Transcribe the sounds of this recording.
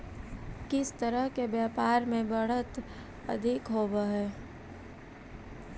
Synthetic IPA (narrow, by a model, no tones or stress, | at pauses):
kɪst̪əɾəɦkebjaːpaːɾmẽbɐɽ̤ət̪ | ɐ̰d̪ʱɪkɦoːbaɦɛː